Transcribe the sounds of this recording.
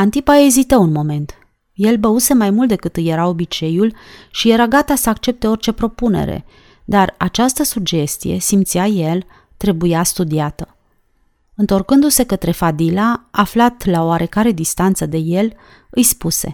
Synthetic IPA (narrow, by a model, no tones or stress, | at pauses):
ant̪ipaezit̪əunmo̞me̞nt̪ | je̞lbəuse̞majmult̪̚d̪e̞kɨt̪ɨje̞ɾao̞bit͡ʃe̞julʃije̞ɾaɡat̪asəakt͡ʃe̞p̚t̪e̞o̞rt͡ʃe̞pɾo̞pune̞̰ɾḛ | d̪arat͡ʃast̪əsuɡd͡ʒe̞st̪ije̞̰simt̪siaje̞l | t̪ɾe̞bujast̪ud̪iat̪ə | ɨnt̪o̞rkɨnd̪use̞kət̪ɾe̞fad̪ilaːflat̪lao̞aɾe̞kaɾe̞d̪ist̪ant̪səd̪e̞je̞l | ɨjspuse̞̰